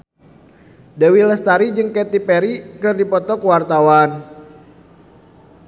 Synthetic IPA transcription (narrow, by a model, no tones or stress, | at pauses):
dɛwiləst̪aɾid͡ʒɨŋkɛt̪ipɛɾikɨrdipɔt̪ɔkwart̪awan